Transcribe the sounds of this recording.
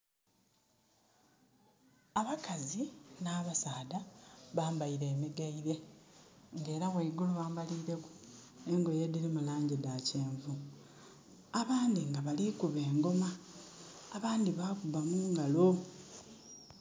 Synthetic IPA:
aβakazinaːβasaːdaβaːmbaiɾe̞ːmiɡaiɾe̞ | ŋɡe̞ːɾaɣweiɡuluβaːmbaliːɾe̞ku̥ | eŋɡo̞jediɾimulaːɲɟidaceːɱvu | aβaːndiŋɡaβalikuβe̞ːŋɡo̞maː | βaːndiβakubamuːŋɡalo

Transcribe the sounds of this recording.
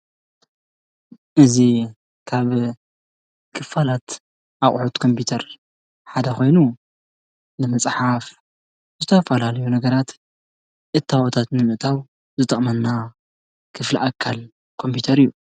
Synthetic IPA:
ʔɨzi | kʰaβ | kʰɨfalat̪ | ʔaχʼħut̪kʰo̞mpit̪ʰɐɾ | ħad̪ɐxo̞jnu | nɨmɐsʼħaf | zɨt̪ʰɐfɐlalɐjunɐɡɐɾat̪ | ʔɨt̪ʰːawot̪ʰat̪nɨmɨʔt̪ʰaw | zɨt̪ʰʼɐχʼmɐnːa | kʰɨfliʔakʰːal | kʰo̞mpit̪ʰɐɾijːu

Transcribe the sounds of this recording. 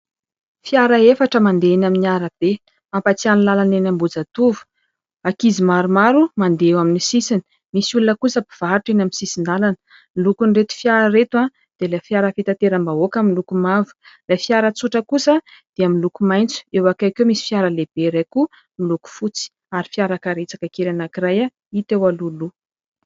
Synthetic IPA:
fjaɾaefaʈ͡ʂəmand̪enaminiaɾab̥e | mapat͡sianilalanenambud͡zat̪uvu̥ | akizimaɾumaɾumand̪eewaminisisini̥ | misulunəkusəbiv̥aɾʈ͡ʂenaminsisind̪alanə̥ | milukunret̪i̥fjaɾəɾet̪wã | d̪̥elajfjaɾəfit̪at̪eɾambaokamilukumavu̥lajfjaɾət͡suʈ͡ʂəkusəd̪̥eamilukumajnt͡su̥ewakajkemisi̥fjaɾəleb̥eɾajku | miluku̥fut͡si̥ | aɾifiaɾakaɾet͡sakakeɾanakiɾaja | it̪ewalulu

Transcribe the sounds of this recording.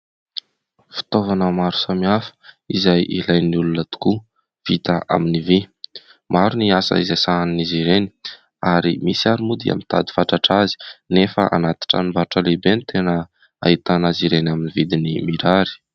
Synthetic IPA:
fi̥t̪ovanəmaɾu̥samiafə̥ | izajʔilajniulunət̪u̥ku | v̥it̪aʔa̰minivi | maɾuniasə̰izajsanniziɾeni̥ | aɾimisiaɾumud̪ia̰mint̪ʰad̪i̥faʈ͡ʂaʈ͡ʂazi̥nefə̰ʔa̰nat̪i̥ʈ͡ʂa̰nimbaʈ͡ʂəlebenit̪ʰenə | a̰it̪anaziɾenaminivid̪inimiɾaɾi̥

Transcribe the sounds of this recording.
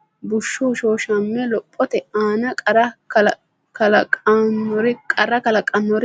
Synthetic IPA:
bʊʃːoːʃoːʃɐmːɛlɔpʼːɔt̪ɛaːnɐkʼɐɾɐk | kɐlɐkʼanːɔɾɪkʼɐɾɐkɐlɐkʼːɐnːɔɾɪ

